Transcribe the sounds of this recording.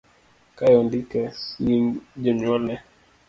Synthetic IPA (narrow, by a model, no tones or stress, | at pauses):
kajɔndikɛid͡ʒɛɲɔlɛ